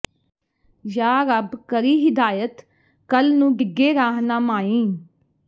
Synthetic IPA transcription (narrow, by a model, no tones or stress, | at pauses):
jaːɾəbkəɾiːɦɪd̪aːjət̪ | kəlnũːɖɪɡːeːɾaːɦnaːmaːĩː